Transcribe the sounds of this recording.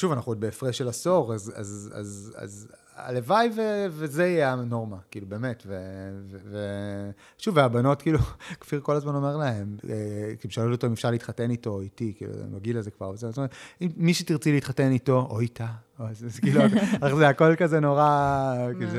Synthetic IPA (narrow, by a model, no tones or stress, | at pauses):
ʃuvanaχnuod̪̚beːfʁeʃelaso̞ʁaza̰za̰za̰z | a̰levajvevezeiano̞ʁmakiːlube̞ːme̞tveveve | ʃuveabano̞tkiːlukfiʁko̞lazmano̞meʁlae̞mekiluʃealototoimefʃaʁliːt̪χate̞nito̞itikḭːlṵmaɡilazekva̰ʁvezeimmiʃetiʁt͡siliitχatenito̞ʔoitaazzkiːluaaχzeako̞lkazeno̞ʁakiz